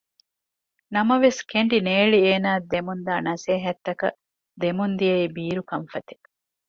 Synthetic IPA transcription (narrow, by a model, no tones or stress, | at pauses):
nɐmɐʋeskeɳɖineːɭieːnaːd̪emund̪aːnɐseːɦɐt̪ːɐkɐ̰ | d̪emund̪ijɐibiːɾukɐɱfɐt̪i̥